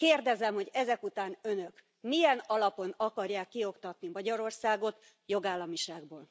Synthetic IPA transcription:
keːrd̪ɛzɛmho̞ɟɛzɛkut̪aːnø̞nø̞k | mijɛnɒlɒpo̞nɒkɒrjaːkːio̞kt̪ɒt̪nimɒɟɒɾo̞rsaːɡo̞t̪ | jo̞ɡaːlːɒmiʃaːɡboːl

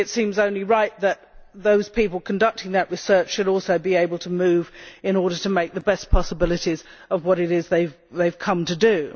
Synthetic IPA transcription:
ɨtsĩmzõʊ̃nliɹaɪt̪̚ðɨt̪̚ðoʊz̥pʰipl̩ˠkʰn̩dʌk̚tɪ̃ŋðɨʔɹɨsɜ˞t͡ʃʃɨɾɔlˠsoʊbieɪbl̩ˠtʰəmʉvɨ̃ñɔɹɾə˞ɾəmeɪk̚ðəbɛspʰɑsəbɪlˠɨɾizʌvwʌɾɨɾɪzðeɪv | ðeɪv̥kʰʌ̃mtʰɨdɨ

